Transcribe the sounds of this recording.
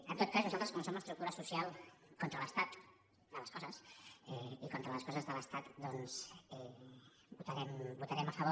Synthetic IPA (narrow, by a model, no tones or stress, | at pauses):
ənt̪ot̪̚kaznuzalˠt̪ɾəskomsomləst̪ɾukt̪uɾəsusialˠkont̪ɾələst̪at̪ | d̪ələskɔzəsɛikont̪ɾələskɔzəzðələst̪at̪d̪ɔnzɛ | but̪aɾɛmbut̪aɾɛməfəβo